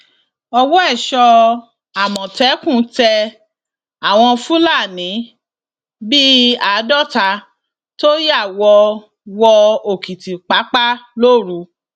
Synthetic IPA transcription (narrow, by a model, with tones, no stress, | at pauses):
ɔ˧wɔ˦ɛ˦˨ʃɔ˧ | a˨mɔ̃˨tɛ˨˦kũ˦˨˦tɛ˧ | a˨w̃ɔ̃˧fũ˦la˦˨nĩ˨˦ | bi˦a˨˦dɔ˦ta˧ | to˦ji˦a˦˨wɔ˧ | wɔ˧o˨ki˨ti˨k͡pa˨˦k͡pa˦lo˦˨ɾu˨˦